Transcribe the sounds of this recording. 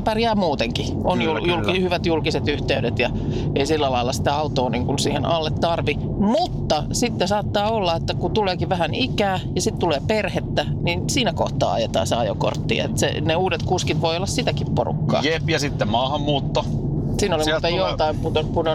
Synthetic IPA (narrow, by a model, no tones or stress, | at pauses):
pærjæːmuːt̪eŋki | onjuljulkihyʋæt̪julkiset̪yht̪eydet̪jɑ | eisilːælɑilːɑsi̥t̪æɑut̪oːniŋkunsiːhenʔɑlːet̪tɑrʋi | mut̪ːɑsit̪ːesɑːt̪ːɑːolːɑet̪ːækut̪uleːkiʋʋæhænʔikæːjɑsit̪t̪uleːperhet̪ːæninsiːnæko̰ht̪ˑɑ̰ːɑ̰jet̪ɑ̰ːsɑ̰ːjo̰ko̰rt̪ːḭḛt̪sḛneuːdet̪kuskit̪ʋoiolːɑssit̪ækippo̰rṵkːɑ̰ːepjɑsit̪ːemmɑːhɑmːuːt̪ːo | siːnolimːt̪ejjot̪ɑimput̪opuno